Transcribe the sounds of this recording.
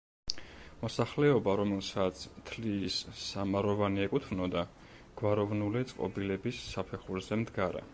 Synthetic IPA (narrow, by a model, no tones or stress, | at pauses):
mɔsaχlɛɔbaɾɔmɛlˠsat̪sʰt̪ʰlisːamaɾɔvaniɛkʼut̪ʰvnɔd̪a | ɡ̥waɾɔvnulit̪sʼqʼɔ̰bilɛbisːapʰɛχuɾzɛmd̪ɡaɾa̰